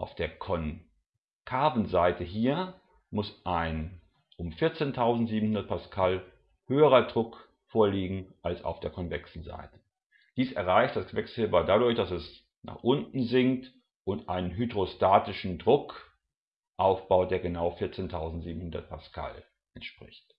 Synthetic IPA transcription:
ʔaʊfd̥eːɐkʰɔn | kʰaːvn̩zaɪtʰəɦiːɐ | mʊsʔaɪn | ʔʊmfɪɐt͡seːntʰaʊzn̩tz̥iːbm̩hʊndɐt̚pʰaskʰal | høːəʁɐdʁʊk | foːɐliːɡŋ̩ʔalsa̰ʊfd̥eːɐkʰɔnvɛksn̩za̰ɪtə̥ | d̥iːsɛɐʁaɪçt̚d̥asv̥ɛksɪlbadadʊɐçd̥asɛs | na̰ːχʔʊntn̩zɪŋt | ʔʊntʔaɪnənɦydʁostaːtɪʃn̩dʁʊk | ʔaʊfb̥aʊd̥eːɐɡənaʊfɪɐt͡seːntʰaʊzn̩tz̥iːbm̩hʊndɐt̚pʰaskʰa̰l | ʔɛntʃpʁ̥ɪ̰çt

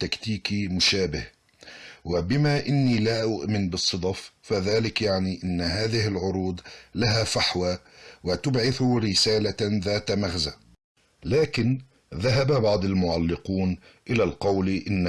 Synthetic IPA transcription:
t̪ːakt̪iːkimʊʃaːbɪh | wɪbɪmaʔɪnːiːlaːʔʊʔmɪnbɨsˤːɨd̪ˤɑffaðaːlɪkjaʕniʔɪnːɦaːðɪhɪlʕʊɾuːd̪ˤlaɦafaħwaː | wɪt̪ʊbʕɪθʊɾɪsaːlaðaːt̪maɣza | laːkɪn | ðaɦababɑʕd̪ˤalmʊʕalːɪquːnʔɪlalqɑwlʔɪnː

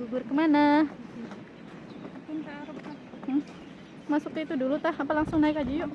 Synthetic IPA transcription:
uɡʊrkəmana | pint̪aɾup̚a | masuk̚t̪it̪udulut̪ahapalaŋsʊŋnaɪkad͡ʒujoʔ

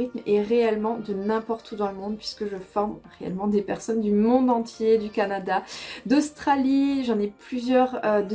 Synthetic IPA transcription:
it̪meʁeɛlmɑ̃d̪ənɛ̃pɔʁt̪ʰud̪ɑ̃ləmɔ̃d̪pɥiskəʒəfɔʁmʁeɛ̰lmɑ̃d̪epɛʁsɔnd̪ymɔ̃d̪ɑ̃t̪jed̪ykanad̪ad̪ɔst̪χaliʒɑ̃nɛplyzjœʁød̪ə

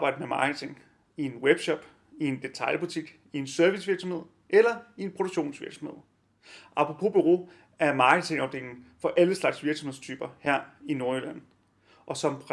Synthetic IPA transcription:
b̥ɑ̈ɪ̰dəmemɑ̰̈ːɡ̥ət͡sʰe̝ŋ | ie̝nweb̥ɕɒ̽b̥ | ie̝nd̥e̝t͡sʰɑ̈ɪlb̥ut͡sʰiɡ̥ | ie̝nsøɐʋisʋiɐɡ̥sɒ̽mheð̰ˠ | ʔelɐie̝npʰʁoɾ̥o̥ɕo̝̰ːnsʋiɐɡ̥sɒ̽mhe̝ð̰ˠ | ʔɑ̈pʰʁopʰo̝̰b̥yʁo̝̰ː | æɐmɑ̈ːɡ̥ət͡sʰe̝ŋɑ̈ʊd̥eŋ̰ŋ̩fɒ̽ʔæləslɑ̈ɡ̥sʋiɐɡ̥sɒmhe̞̰t͡sʰy̰ːb̥ɐhæɐ̰ino̝ɐelæn̰ | ʔɒ̽sɒ̽mʰʁ

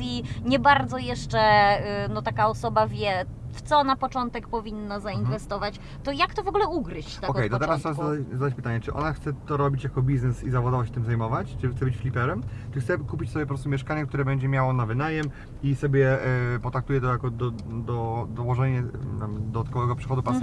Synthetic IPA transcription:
sʲjiɲɛbaɾd̪zɔjɛʂt͡ʂɛnɔt̪akaɔsɔbavʲjɛft̪sɔnapɔt͡ʂɔnt̪ɛkpɔvʲinːazainvɛst̪ɔvat͡ɕ | t̪ɔjakt̪ɔvɔɡulɛukɾɘɕt͡ɕ̪ɛɔkkɛjnat̪ɛɾast̪ɛaaazad̪at͡ɕpɘt̪aɲɛt͡ʂɘʔɔ̰naxt̪sɛt̪ɔɾɔbʲit͡ɕjakɔbʲiznɛsizavɔad̪ɔvɔɕɛ̥t̪ɘmzajmɔvat͡ɕt͡ʂɘt̪ɛbɘt͡ɕflʲipɛɾɛmt͡ʂɨxt̪sɛkupʲit͡ɕsɔbjɛpɔpɾɔst̪umʲjɛʂkaɲɛkt̪uɾɛbɛɲd͡ʑɛmʲjawɔnavɘnajɛm | isɔbʲjɛpɔt̪ɾak̚t̪ujɛt̪ɔjakɔd̪ɔd̪ɔd̪ɔwɔʐɛɲɛamd̪ɔd̪at̪̚kɔvɛɡɔpʂɛxɔd̪upas

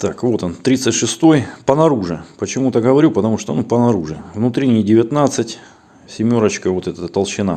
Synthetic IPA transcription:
t̪akvo̞t̪ont̪ɾʲit̪sətʲʂɨst̪o̞jpənɐɾuʐɨpət͡ɕɪmut̪əɡəvɐɾʲupət̪ɐmuʂt̪onupənɐɾuʐɨvnut̪ɾʲɪnʲɪjdʲɪvʲɪt̪nat̪sɨtʲ | sʲɪmʲo̞ɾət͡ɕkəvot̪ɛt̪ət̪əlˠɕɪna̰

